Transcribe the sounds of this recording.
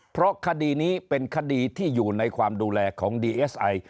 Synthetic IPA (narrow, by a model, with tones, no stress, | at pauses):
pʰɾɔ˦˥kʰa˧diː˧niː˦˥pe˧nkʰa˧diː˧t̪ʰiː˥˩juː˨˩na˧jkʰwaː˧mduː˧lɛː˧kʰɔː˩˦ŋdiː˧ʔeː˦˥sʔa˧j